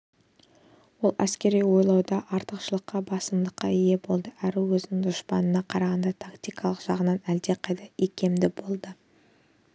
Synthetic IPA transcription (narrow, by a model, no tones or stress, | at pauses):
wo̞lˠæ̰skʲe̞ɾijwo̞jlˠɑwd̪ɑʔɑɾt̪əqʃəlˠəqːɑbɑsəmd̪əqːɑije̞bo̞lˠd̪əæɾɪwɵzɪnɪŋd̪ʊʃpɑnənɑqʰɑɾɑʁɑnd̪ɑt̪ʰakt̪ijkʰɑlˠəqʒ̥ɑʁənɑnæld̪e̞qʰɑjt̪ɑikʲe̞md̪ɪbo̞lˠd̪ə